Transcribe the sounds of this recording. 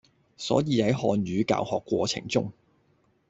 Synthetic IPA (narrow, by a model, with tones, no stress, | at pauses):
sɔ̰ː˨˥jiː˨˧hɐ˨˥jɦɔː˧nɥyː˨˧ka̰ː˨whɔː˨kːʷɔː˧t͡sʰɪ̰˨˩ŋt͡sʊ̰˥ŋ